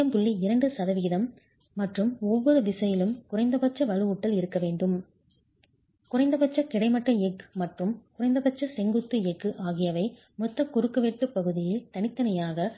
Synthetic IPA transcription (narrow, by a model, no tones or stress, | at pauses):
ɐmpʊɭːiɪɾɐɳɖɯsɐðɐʋiːðɐmː | ɐʈrɯmɔʋːɔɾɯʋ̪ɪsɐjɪlɯmkʊrɐɪnd̪ɐpɐt͡ʃːɐʋɐlɯuʈːɐlɪɾɯkːɐʋeːɳɖɯm | kʊrɐɪnd̪ɐpɐt͡ʃːɐkɪɽɐɪmɐʈrɐɛɡɯmɐʈrɯmkʊrɐɪnd̪ɐpɐt͡ʃːɐsɛŋɡɯt̪ːɯɛɡɯʔaːɣɪjɐʋɐɪ | mɔt̪ːɐkːʊɾɯkːɐʋeʈːɯpːɐɣɯðɪjɪlt̪ɐnɪt̪ːɐnɐjaːɣɐ